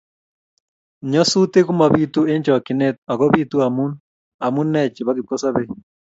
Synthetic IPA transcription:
ɲɔ˦su˦te˦ɣu˦ma˨βi˦tu˦e˦ɲd͡ʒɔ˨ki˨nɛ˦t̚a˨ɣɔ˦βi˦tu˦a˨mu˦n | a˨mu˦nːɛ˦t͡ʃe˨βa˦ɣi˨kɔ˦sa˦βe˦

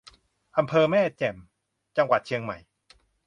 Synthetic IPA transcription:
ʔa˧mpʰɤː˧mɛː˥˩t͡ɕɛ˨˩m | t͡ɕa˧ŋwa˨˩t̪̚t͡ɕʰi˧əŋma˨˩j

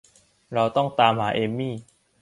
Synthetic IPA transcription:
ɾa˧wt̪ɔ˥˩ŋt̪aː˧mhaː˩˦ʔe˧miː˥˩˨

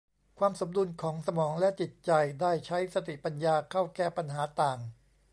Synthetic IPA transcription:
kʰwaː˧mso˩˦mdu˧nkʰɔː˩˦ŋsa˧mɔː˩˦ŋlɛ˦˥ʔt͡ɕi˨˩t̪̚t͡ɕa˨jdaː˥˩jt͡ɕʰa˦˥jsa˧t̪i˨˩pa˧njaː˧kʰa˥˩wkɛː˥˩pa˧nɦaː˩˦t̪aː˨˩ŋ

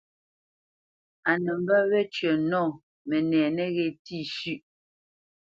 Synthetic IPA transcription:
a˨nɛ˨m˦ba˦ɣɛ˦t͡ʃɥə˨nɔː˦˨ | mɛ˨nɛː˨nɛ˦ɣɛ˦˨ti˦˨ʃʉ˦ʔ

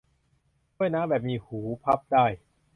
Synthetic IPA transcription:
t͡ɕʰu˥˩əjnaː˦˥bɛː˨˩p̚miː˧huː˩˦pʰa˦˥p̚daː˥˩j

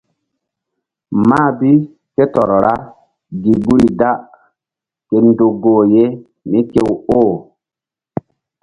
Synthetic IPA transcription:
maː˦˨bi˦ | ke˦tɔ˨ɾɔ˨ɾa˦ | ɡi˨bu˦ɾi˨da˦ | ke˨ndo˨ɡoː˨je˦ | mi˦ke˦woː˦˨

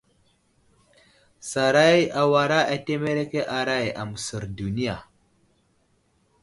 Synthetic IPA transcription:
sa˨ɾa˦ja˨wa˨ɾa˦ʔa˨te˦me˦ɾe˦ke˦ʔa˨ɾa˦ja̰˨mu˨sə˨ɾdu˨ni˦ja˨

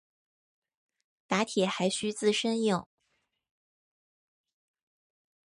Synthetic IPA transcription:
t̪a˧˥t̪ʰjɛ˨˩˦xa˧˥ɪɕy˥t͡sɹ̩˥˧ʂə˥njʊ˥˩ŋ

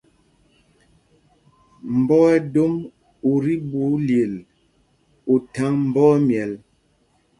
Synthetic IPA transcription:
m̩˨bɔ˦ɛ˦do˦m | o˨ɾi˦bu˨˦lje˨l | o˨ta˨˦ŋm̩˨bɔ˦mjɛ˨l

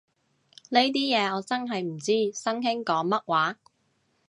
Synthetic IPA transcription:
le˥jt̪̬iː˥jɛː˨˧ɔː˨˧t͡sɐ˥nɦɐ˨jm̩˨˩t͡siː˥sɐ˥ŋɦɪ˥ŋkɔː˨˥ŋmɐ˥t̚waː˨˥

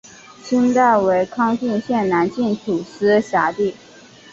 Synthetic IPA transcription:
ʂʰə˥nt̪a˥˩ɪwe˧˥ɪkʰɑ˥ŋt͡ɕi˥˧nɕjɛ˥˩nna˧˥nt͡ɕi˥˩nt̪ʰu˨˩ʂɻ̩˥ɕja˧˥t̪i˥˩

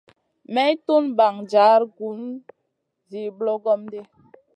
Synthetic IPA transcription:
mɛ˦jtu˦nba˨ŋd͡ʒa˨˦ɾɡu˨˦n | zi˨blɔ˦ɡɔ˦mde˦

